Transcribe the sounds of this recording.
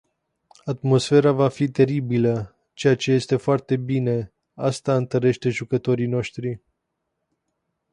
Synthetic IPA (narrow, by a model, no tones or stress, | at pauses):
at̪mo̞sfe̞ɾavafit̪e̞ɾibilə | t͡ʃe̞jat͡ʃe̞je̞st̪e̞foart̪e̞bine̞ | ast̪aɨnt̪əɾe̞ʃt̪e̞ʒukət̪o̞ɾino̞ʃt̪ɾi